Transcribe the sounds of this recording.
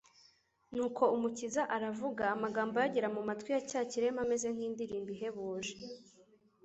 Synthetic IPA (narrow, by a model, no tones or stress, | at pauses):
nuːkʰo̞umucizaʔaɾavuɡaːmaɡaːmbojaɟeɾamumatwijacaːciɾe̞mame̞ze̞ŋ̥hiːndiɾiːmbiɦe̞βoːʒe